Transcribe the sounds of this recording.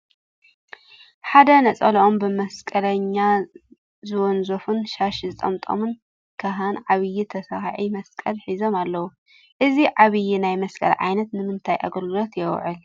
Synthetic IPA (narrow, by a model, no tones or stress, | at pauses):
ħad̪ɐnɐt͡sʼɐlʔombɨmɐskʼɐlɐɲːa | zɨwɔnzofunʃaʃzɨt̪ʼɐmt̪ʼo̰mɨn | kʰaɦanʕaβɨjːit̪ʰɐsahʕimɐskʼɐlħizo̞malːɐwu | ʔɨziʕaβɨjinajmɐskʼɐ̰lʕa̰jnɐt̪nɨmɨnt̪ʰajʔa̰ɡɐlɡɨlo̞t̪jɛw̰ʕɨl